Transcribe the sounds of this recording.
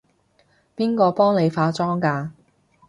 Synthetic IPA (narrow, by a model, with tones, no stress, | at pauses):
piː˥nkɔː˧pɔː˥ŋne˨˧jfaː˨˧˥t͡sɔː˥ŋkaː˧